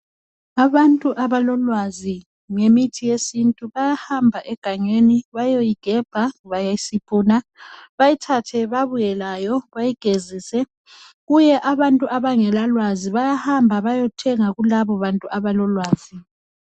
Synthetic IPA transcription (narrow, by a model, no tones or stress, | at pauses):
aβantʼuʔaβalɔlwazi | ŋemitʰijesintʼuβajahambʱaʔɛɡ̥ʱaŋeniβajojiɡ̥ʱɛb̥ʱaβajajisipʼuːnaβajitʰatʰɛβaβujɛlajɔβajiɡ̥ʱeziːsɛ | ɣujɛʔaβantʼuʔaβaŋɛlalwaziβajahambʱaβajɔtʰɛŋaɣulaβɔβantʼuʔaβalɔlwaːz̥i